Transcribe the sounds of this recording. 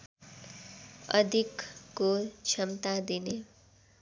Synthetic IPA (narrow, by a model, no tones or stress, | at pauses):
ʌ̰d̪ʱikːot͡sʰʌmt̪ad̪ine